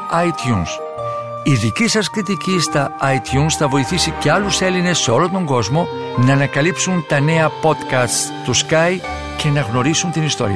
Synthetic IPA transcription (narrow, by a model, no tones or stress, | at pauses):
ɐjt̪juns | iðicisɐskɾit̪icist̪ɐɐit̪çunsθɐvo̞iθisice̞ɐluse̞line̞sːe̞o̞lo̞nt̪o̞ŋɡo̞zmo̞ | nɐːnɐkɐlipsunt̪ɐne̞ɐpo̞t̪kɐst̪st̪uskɐj | ce̞nɐɣno̞ɾisunt̪inist̪o̞̰ɾḭɐ